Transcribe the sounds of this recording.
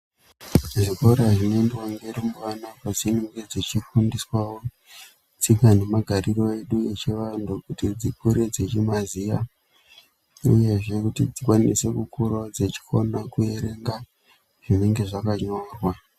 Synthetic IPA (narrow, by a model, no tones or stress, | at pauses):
ʐiko̞ɾaʐinendewaŋɡe̞rimuʋanakazineŋɡe̞d͡zet͡ʃifundiswawo | t͡sikane̞maɡʱariro̞e̞ɗue̞t͡ʃiʋandukutid͡zikuɾed͡zet͡ʃimazija | ṵje̞ʐe̞kutid͡zikwanise̞kukuɾod͡zet͡ʃi̥kʰonakue̞ɾe̞ŋɡa | ʐ̥ine̞ŋɡe̞ʐakaɲo̞ːrwa